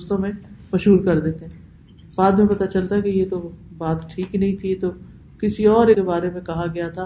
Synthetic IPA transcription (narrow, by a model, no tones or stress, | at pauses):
st̪õmẽmɐʃɦuːɾkɐɾd̪eːt̪eɦɛ̃ | baːd̪mẽpɐt̪at͡ʃɐlt̪aɦɛkijet̪obaːt̪ʈʰiːknɐɦĩt̪ʰit̪o | kɪsiɔːɾekebaːɾemẽkɐɦaɡɐjat̪ʰa